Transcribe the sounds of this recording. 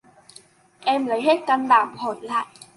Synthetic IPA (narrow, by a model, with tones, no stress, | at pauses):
ʔɛ˧mlə˨˦jɦeː˦˥t̚ka˧nɓaː˨˩mpʰoː˨˩˦n̚la̰ː˧˨jʔ